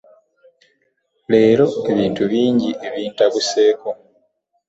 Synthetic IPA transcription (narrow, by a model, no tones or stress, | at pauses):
le̞ːɾo̞e̞βiːntuβiːɲɟiʔe̞βiːntakuse̞ːko̞